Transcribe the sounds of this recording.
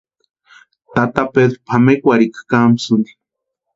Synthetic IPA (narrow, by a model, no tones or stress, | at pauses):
t̪at̪apeðɾopʰamekʷaɾikḁkamsund̪i̥